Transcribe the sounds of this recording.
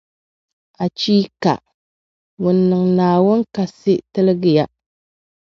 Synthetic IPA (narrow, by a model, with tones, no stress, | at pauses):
a˨t͡ʃiː˦ka̰˨ | wʊ˨nːɨ˨ŋnaː˨wʊ˦nka˨sɪ˦tɨ˦lɨ˦ɡɨ˦ja˦